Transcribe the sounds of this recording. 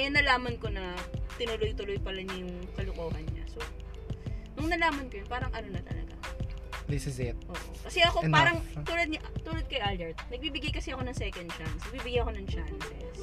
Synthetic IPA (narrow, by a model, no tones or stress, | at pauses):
ɐjonːɐlaːmɐnko̞nɐt̪ɪnʊlojt̪ʊlojpɐlɐɲɐjʊŋkɐlʊkoːɦɐnɲa̰so̞ | nʊŋnɐlaːmɐnkojʊnpaːɾɐŋʔɐnonɐt̪ɐ̰lɐ̰ɡa̰d̪ɪsɪzɪt̪̚ʔoːʔokɐsɛʔɐkopaːɾɐŋt̪ulod̪̚ɲʔt̪uːlod̪̚kɐjʔalɛɹt̪̚nɐɡ̚bibɪɡajkɐsɛɐko̞nɐŋsɛːkɐnd̪̚t͡ʃansɐɡ̚bibɪɡajɐko̞nɐŋt͡ʃansɛs